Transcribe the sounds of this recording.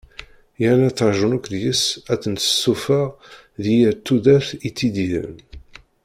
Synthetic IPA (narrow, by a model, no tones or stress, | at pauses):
jænæt͡sːəɾˤʒənukðjəsæt͡sːənt̪ə̥sufa | ðijæt̪ːud̪æθit͡sːid̪iðə̰n